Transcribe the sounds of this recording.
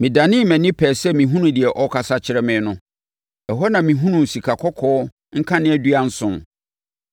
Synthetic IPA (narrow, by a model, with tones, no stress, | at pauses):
mɪ̃˨da˨nɪ̃˦mɛ̃˨nɪ̃˦pʰɛː˨sɛ˦mĩ˨ɦũ˦nũ˨dɪ˨ɛ˨ʔɔ˦kʰa˨sa˦t͡ɕʰɪ˨ɾɛ˦mɪ̃˦nʊ̃˦ | ɛ˨ɦɔ˦nã˨mĩ˨ɦũ˦nũ˨n̩˨si˨kʰa˨kʰɔ˦kʰɔː˦ | ŋ̩˦kʰã˦nɪ̃˦ɛ˦du˦a˦n̩˦sʊ̃˨n